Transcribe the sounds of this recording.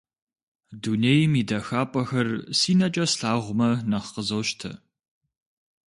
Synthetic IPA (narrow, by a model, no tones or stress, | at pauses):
duneːjmiːdɐxaːpʼɐxɐrsiːnɐt͡ʃʼɐsɬaːʁʷʊmɐnɐχqəzɐwʃtʰɐ̰